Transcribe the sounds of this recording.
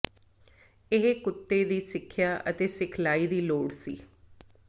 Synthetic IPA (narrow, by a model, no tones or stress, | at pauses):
ɪɦkʊt̪ːeːd̪iːsɪkʰːjaːʔət̪eːsɪkʰlaːiːd̪iːloːɽsḭː